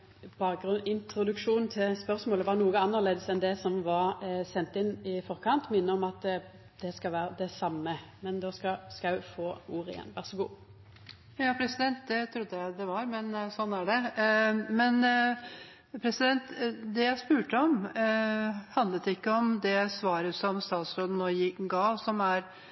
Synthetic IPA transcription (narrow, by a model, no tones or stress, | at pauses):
b̥ɑːk̚ɡɾʉnɪnt̪ɾʊd̪ʉkʂuːnt̪ʰɪlspœɾsmoːləʋɑnuːəɑnːəʁleːd̪əsɛnd̪ɛsɔmʋɑɾsɛnt̪ɪnːɪfɔʁkʰɑnt̪mɪnːəɔmɑt̪ | d̪̥ɛskɑʋæːɾəd̪ɛsɑmːəmɛnd̪oːskɑskɑʉfoːuːɾɪ̰jɛ̰nːʋæʁsəɡṵː | jɑːpʰɾɛsɪd̪ɛnt̪̚d̪ɛt̪ʰɾʊd̪ːəjæɪd̪ɛʋɑɾmɛnsɔnːæɖɛ | mɛn | pʰɾɛsɪd̪ɛnt̪d̪ɛjæɪspʉːʈəɔm | hɑnd̪lət̪ɪkːəɔmd̪ɛsʋɑːɾəsɔmst̪ɑːt̪sɾoːd̪n̩ɔjɪɡɑːsɔmæɾ